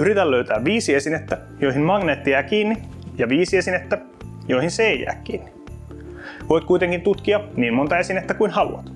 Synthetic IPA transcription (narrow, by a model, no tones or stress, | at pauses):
yɾit̪ælløyɥt̪æːʋʋiːsiesinet̪ːæ | jojimmɑŋneːt̪ːiæːkiːnːi | jɑʋiːsiesinet̪ːæ | joihinseijæ̰ːkːiːnːi | ʋojt̪̚kuit̪eŋkint̪ut̪kiɑniːmmont̪ɑesinet̪ːækuinhɑlṵɑ̰t̪